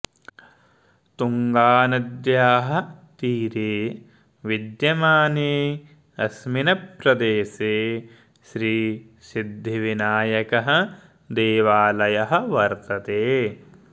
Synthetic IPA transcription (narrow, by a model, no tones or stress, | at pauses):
t̪uŋɡaːnɐd̪jaːɦɐ̆t̪iːɾeː | ʋid̪jɐmaːneː | ɐsminɐpɾɐd̪eːseː | ʃɾiː | sid̪ʱːiʋinaːjɐkɐɦɐ̆ | d̪eːʋaːlɐjɐɦɐ̆ʋɐɾt̪ɐt̪eː